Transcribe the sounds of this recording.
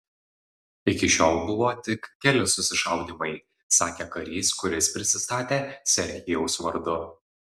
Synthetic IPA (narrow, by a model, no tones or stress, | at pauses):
ɪkʲɪʃʲoːlˠbʊʋoːt̪ʲɪkkʲɛlʲɪsʊsʲɪʃɐˑʊd̪ʲiːmɐɪ | sɑːkʲeːkɐɾʲiːskʊɾʲɪspʲɾʲɪsʲɪst̪ɑːt̪ʲeːsʲɛɾʲxʲɪjɛʊsʋɐɾd̪ʊ